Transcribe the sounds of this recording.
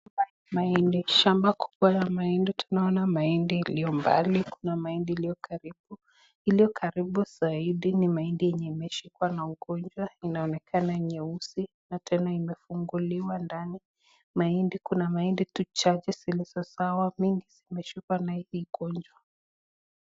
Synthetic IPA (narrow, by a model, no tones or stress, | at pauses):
a | maindiʃambakʰu̥ɓwajamainditunaɔnamaindilijɔmba̰likunamaindilijɔkaɾiɓu | ilijɔkʰaɾiɓuz̥aiɗinimaindijɛɲɛimɛʃikwanauɡɔnd͡ʒwainaɔnɛkʰanaɛɲɛusi | natʰɛnaimɛfuŋɡuliwandani | maindikunamainditut͡ʃad͡ʒɛsilizɔsawamiŋɡiz̥imɛʃikwanahiːɡɔnd͡ʒwa